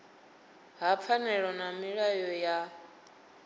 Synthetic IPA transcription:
ɦap̪fʰanɛɺɔnamiɺajɔja

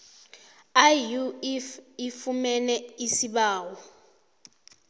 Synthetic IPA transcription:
ajufifumɛnɛisiɓaːwɔ

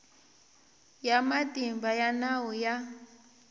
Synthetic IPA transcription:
jamatʼimbajanawɔja

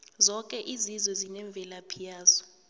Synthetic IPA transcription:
zɔkʼɛʔizizwɛzinɛɱb̪vʱɛlapʰijaːzɔ̥

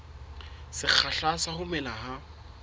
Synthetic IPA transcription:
sɪk͡xʰaɬasahʊmɛlaha

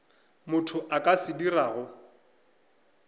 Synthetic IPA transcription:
mʊtʰʊʔakʼasɪdiraːɣʊ

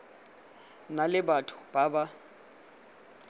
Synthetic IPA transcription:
nalɪbatʰʊ̥b̥aba

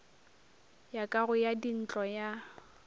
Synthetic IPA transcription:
jakʼaɣʊjadin̩t͡ɬʼɔja

